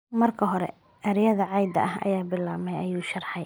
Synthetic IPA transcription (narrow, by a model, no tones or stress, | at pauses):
mɐrkʰɐɦɔɾɛ̰ | ʔɐɾjɐðɐʕɑjd̪ɐ̰ʔɐhʔɐ̰jaːbɪlːaːmɛjɐjuːʃɐrħɑj